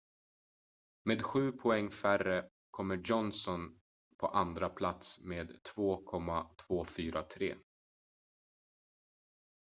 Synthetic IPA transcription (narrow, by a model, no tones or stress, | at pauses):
meːd̪ɧʉ̟ːpʰɔɛŋːfærə | kʰɔmːəjɔnsɔn | pʰɔʔand̪ɾapʰlat̪smeːd̪t̪ʰvoːkʰɔmːat̪ʰvoːfyːɾʔat̪ʰɾḛː